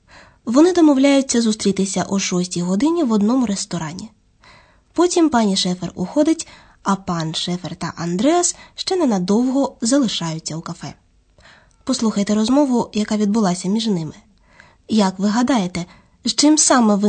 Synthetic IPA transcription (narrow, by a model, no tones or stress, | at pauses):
ʋɔnɪd̪ɔmɔwlʲajʊt͡sʲːɐzʊst̪ɾʲit̪ɪsʲɐʔuʃɔsʲtʲijɦɔd̪ɪnʲiʋɔd̪nɔmʊɾest̪ɔɾɑnʲi | pɔtʲimpɑnʲiʃɛfɛrʊxɔd̪ɪtʲ | ɐpɑnʃɛfɛrt̪ɐ̰ʔɐnd̪ɾɛɐsʃt͡ʃɛnɐnɐd̪ɔwɦɔzɐlˠɪʃɑjʊt͡sʲːɐukɐfɛ | pɔslˠuxɐjt̪ɛɾɔzmɔʋʊjɐkɑʋʲid̪̚bʊlˠɑsʲɐmʲiʒnɪmɪ | jɐkʋɪɦɐd̪ɑjet̪ɛ | ʒt͡ʃɪmsɑmɛʋɪ